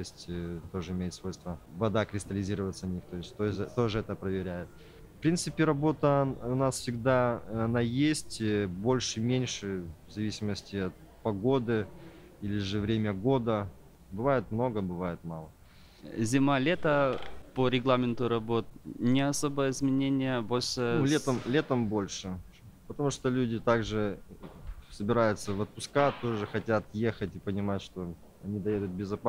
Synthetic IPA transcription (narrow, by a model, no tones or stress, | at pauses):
t̪osʲtʲt̪o̞ʐɨɪmʲejɪt̪svo̞jst̪vəvɐd̪akɾʲɪst̪əlʲɪzʲiɾəvət̪sɐnʲixt̪o̞jɪsʲt̪ot̪o̞ʐɨɛt̪əpɾəvʲɪɾʲæjɪt̪̚ | fpɾʲint̪sɨpʲɪɾɐbo̞t̪əʊnasfsʲɪɡd̪aɐnajesʲtʲbo̞lʲʂɨmʲenʲʂɨvzɐvʲisʲɪməsʲtʲɪɐt̪̚ | pɐɡo̞d̪ɨ | ilʲɪʐɨvɾʲemʲəɡo̞d̪ə | bɨvajɪt̪mno̞ɡəbɨvajɪt̪malˠə | zʲɪmalʲet̪əpəɾʲɪɡlˠamʲɪnt̪ʊɾɐbo̞t̪̚nʲɪɐso̞bəjəɪzmʲɪnʲenʲɪjəbolʲʂɨlʲet̪əmlʲet̪əmbo̞lʲʂɨ | pət̪ɐmuʂt̪olʲudʲɪt̪aɡʐɨ | səbʲɪɾajʊt̪səvət̪̚pʊskat̪ːoʐɨxɐtʲat̪jexətʲɪpənʲɪmatʲʂt̪o̞ | ɐnʲid̪ɐjed̪ʊt̪̚bʲɪzɐpa